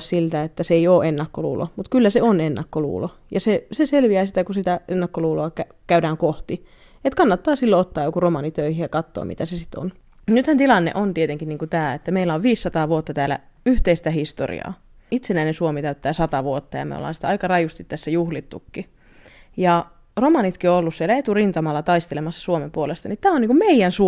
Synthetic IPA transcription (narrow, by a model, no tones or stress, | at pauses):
ssilt̪æet̪ːæseeijoːʔenːɑkːolṵːlo̰mut̪kylːæseonenːɑkːolṵːlo | jɑseseselʋiæːsit̪ækusit̪æenːɑkːoluːloɑkæ | kæydæːŋkoht̪i | et̪kɑnːɑt̪ːɑːsilːoot̪ːɑːjokuromɑːnit̪øihijɑkɑt̪ːo̰mḭt̪æsesi̥t̪o̰n | nyt̪hænt̪ilɑnːḛʔont̪iet̪eŋkiniːŋkut̪æːet̪ːæmeilːæoʋʋiːsːɑt̪ɑːʋuot̪ːɑt̪æːlæ̰yht̪eist̪æhist̪o̰rḭɑ̰ː | it̪senæinensuomit̪æyt̪ːæːsɑt̪ɑʋuot̪ːɑjɑ̰mḛo̰lːɑ̰ːnsi̥t̪ɑikɑrɑjust̪it̪tæsːæjuhlit̪ːukːi | jɑ | romɑnit̪kioolːussielæet̪urint̪ɑmɑlːɑt̪ɑist̪elemɑsːɑ̥suomempuolest̪ɑnit̪æːoniːŋkummeijænsu